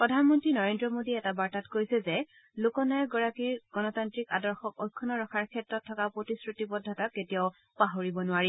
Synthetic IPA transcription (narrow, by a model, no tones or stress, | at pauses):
pɹɔdʱanmɔntɹinɔɹendɹɔmodiɛtabaɹtatkojsɛzɛ | lokɔnaɛɡɔɹakiɹɡ̥ɔnɔtantɹika̰dɔɹxɔk̚ojkʰːɔnɔɹɔkʰaɹkʰɛtɹɔtʰːɔkapɹotisɹutipɔdʱɔtaketijaʊ | paɦoɹibɔnʊaɹi